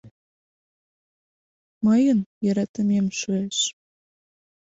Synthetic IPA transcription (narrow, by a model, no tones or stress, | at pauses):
məjənjɑɾɑt̪ə̆memʃueʃ